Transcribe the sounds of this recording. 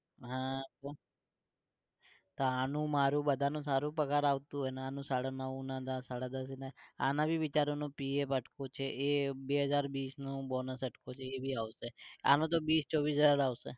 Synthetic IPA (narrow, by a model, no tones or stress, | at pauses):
ɦãt̪o | t̪oanũmaɾũbəd̪ʱanũsaɾũpəkaɾaʋt̪ũɦojneanũsaɽanəʋũnãd̪asaɽad̪əsinaa̰nãbʱiʋɪt͡ʃaɾonõpiepəʈkot͡ʃʰeʔebeɦəd͡ʒaɾbiːsnõbɔnəsəʈkot͡ʃʰeːbʱiaʋsea̰nõt̪̬obiːst͡ʃoʋisəɾaʋsḛ